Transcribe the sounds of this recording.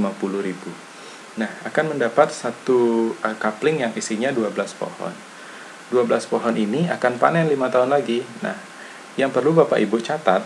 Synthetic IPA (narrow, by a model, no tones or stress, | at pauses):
mapulʊɾibu | nahakanməndapat̪̚sat̪uəkaplɪŋjaŋisiɲaduablaspo̰hɔ̰n | duabəlaspoɦɔniniakanpa̰nɛnlimat̪aɦʊnlaɡina̰h | jaŋpərlubapaʔibʊʔt͡ʃat̪at̪̚